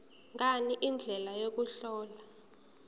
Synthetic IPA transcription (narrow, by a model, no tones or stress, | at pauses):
ŋɡaniʔind͡ɮʱɛlajok̬uɬɔːla